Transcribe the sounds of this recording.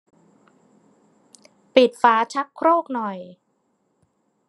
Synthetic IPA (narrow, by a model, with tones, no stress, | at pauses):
pi˨˩t̪̚faː˩˦t͡ɕʰa˦˥kʰːɾoː˥˩k̚nɔ˨˩j